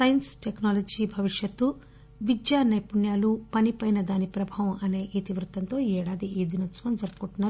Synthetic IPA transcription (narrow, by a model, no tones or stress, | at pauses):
sɐjɐnsʈeknaːlɐd͡ʒiːbʱɐʋiʂjɐt̪ːu | ʋid͡ʒjaːnɐjpuɳjaːlupɐnipɐjnɐd̪aːnipɾɐbʱaːʋɐmɐne̞ːʔit̪iʋɾut̪ɐnt̪o̞ːɛːɽaːd̪iʔeːd̪inɐsʋɐnd͡ʒɐɾpɐ̥koʈːunːaːɾu